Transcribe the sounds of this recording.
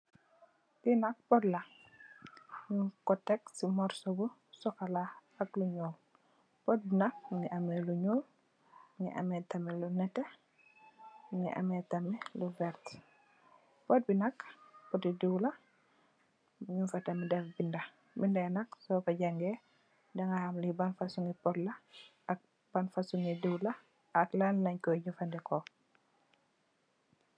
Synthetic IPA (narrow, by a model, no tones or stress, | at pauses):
tinɐk̚pɔtlɐ | ɲukɔtːɛk̚simɔɾsɔbu | sɔkɐla | ɐkluɲɔːl | pɔt̚binɐk̚ŋiʔɐmɛluɲɔːl | ŋḭʔɐ̰mɛtɐmilunɛtːɛ | ŋḭʔɐ̰mɛtɐmiluvɛɾt | pɔt̚binɐkpɔtidiwlɐ | ɲunfɐtɐmidɛfbindɐ | bindɛnɐksɔkɐɟɐŋɡɛ | dɐŋɡahɐmlibɐnfɐsuŋɡipɔtlɐ | ɐk̚ | b̥ɐnfɐsuŋidiwlɐ | ɐklanlɐɲkɔɟufɐndɛkɔ